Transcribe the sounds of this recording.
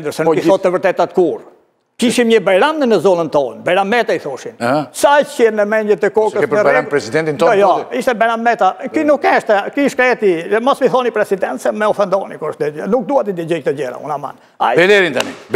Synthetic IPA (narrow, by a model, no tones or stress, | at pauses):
nd̪əɾsɛniɔt̪ːəvəɾt̪ɛt̪at̪kuɾ | kiʃimɲəbɛɾamnənəzɔlənt̪ɔnbɛɾamɛt̪aiθɔʃinhsajcɛɾnəmɛɲɟət̪ɛkɔkəspɾɾɛɾampɾɛsid̪ɛnt̪int̪ɔɔjɔiʃt̪ɛbɛɾamɛt̪akinukɛʃt̪ɛkiʃkɾɛt̪imɔsmiθɔnipɾɛsid̪ɛnt̪sɛmɛɔfɛnd̪ɔnikuɾəʃt̪ɛnuk̚d̪uat̪id̪id͡ʑɔjt̪əɟɛɾa̰ṵnama̰n | a̰jbɛlɛɾint̪anḭb